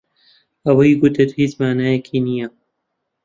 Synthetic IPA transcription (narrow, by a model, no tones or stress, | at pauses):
ɐwɐjɡʊt̪ʰet̪hiːt͡ʃmaːnaːjɛkʰiːnija